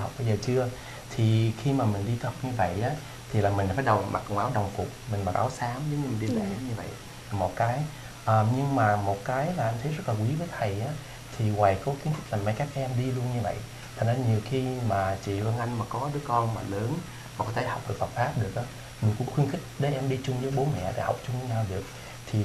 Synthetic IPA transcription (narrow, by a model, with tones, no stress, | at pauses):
ha˨˩wk͡p̚ɓə˧jzəː˨˩t͡ɕɨ˧ə | t̪ʰi˨˩xi˧maː˨˩mï˨˩ŋ̟ɗi˧ha˨˩k͡p̚ɲɨ˧və̰˧˨jʔaː˨˦ | t̪ʰi˨˩laː˨˩mi˨˩ŋ̟faː˨˦jɗə˨˩wma̰˨˩˨ŋwʔaː˨˦wɗə˨˩wŋ͡mkʊ˨˩k͡p̚mi˨˩ŋ̟ɓaː˨˩k̚ʔa̰ː˨˦wsaː˨˦mzʊ˨˦ŋ͡mɲɨ˧mï˨˩ŋ̟ɗi˧lə˨˩˨ɲɨ˧və̰˧˨j | a˨˩mo˨˩t̚kaː˨˦j | ʔəː˨˩ɲɨ˧ŋmaː˨˩mo˨˩t̚kaː˨˦jlaː˨˩ʔa˧ŋt̪ʰə˨˦jzə˦˥t̚laː˨˩kwi˨˦vəː˨˦jt̪ʰə˨˩jʔaː˨˦ | t̪ʰi˨˩waː˨˩jkɔ˨˦xwi˧˦nt̪kʰi˦˥k̚laː˨˩ma˨˧˦jkaː˦˥k̚ʔɛ˧mɗi˧lu˧ənɲɨ˧və̰˧˨j | t̪ʰə˨˩ŋzaː˧˩ɲi˨˩əwxi˧maː˨˩t͡ɕḭ˧˨lwə˧nʔa˧jŋ̟maː˨˩kɔ˨˦ɗɨ˨˦əkɔ˧nmaː˨˩ləː˨˦n | ma˨˩kɔ˨˦t̪ʰe˧˩ha˨˩wk͡p̚ɗɨ˨˩ək̚fə˨˩t̚faː˦˥p̚ɗɨ˨˩ək̚ʔaː˨˦ | mï̟˨˩kʊ̰˧˥ŋ͡mxwi˧ənxï˦˥k̟̚ɗəː˨˦ʔɛ˧mɗi˧t͡ɕʊ˧ŋ͡mzəː˨˦jɓo˨˦nmɛ̰˧˨ɗḛ˧˩ha˨˩wk͡p̚t͡ɕʊ˧ŋ͡mɲaː˧wɗɨ˨˩ək̚ | t̪ʰi˨˩